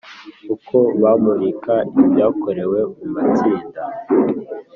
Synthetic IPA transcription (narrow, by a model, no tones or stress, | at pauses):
ukʰo̞βamuβikʰaibjaːko̞ɾe̞we̞mumat͡siːnda